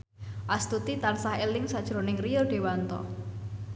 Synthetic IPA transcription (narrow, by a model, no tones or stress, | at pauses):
ʔast̪ut̪it̪ansahelɪŋsad̥ʒ̥ɾo̤nɪŋrijɔɖ̥e̤want̪ɔ̰